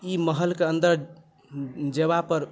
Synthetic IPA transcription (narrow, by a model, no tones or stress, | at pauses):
iməɦəlkeənd̪əɾ | d͡ʒeβapəɾ